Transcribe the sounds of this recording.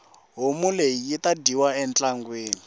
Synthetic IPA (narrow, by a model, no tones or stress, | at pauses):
ɦomuleijitadiwaɛnt͡ɬaŋɡweːni